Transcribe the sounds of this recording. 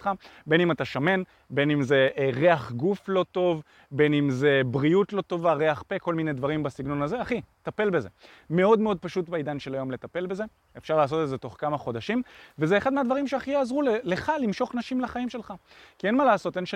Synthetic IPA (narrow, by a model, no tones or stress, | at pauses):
tχabe̞nimat̪aʃame̞n | be̞nimze̞ʔʁe̞aχɡuflo̞to̞v | be̞nimze̞bʁiutlo̞to̞vaʁe̞aχpe̞ko̞lminedvaʁimbasiɡno̞naze̞aχit̪ape̞lbe̞ze | me̞o̞dmeo̞d̚paʃutbeid̪anʃe̞lajo̞mle̞t̪ape̞lbe̞ze̞ | efʃaʁlaːs̬o̞t̪etze̞t̪o̞χkamaχo̞daʃimvezeːχad̪mead̪vaʁimʃeaχijaːzʁulele̞χalimʃo̞χnaʃimlaχaimʃe̞lχakienmalaːso̞tenʃ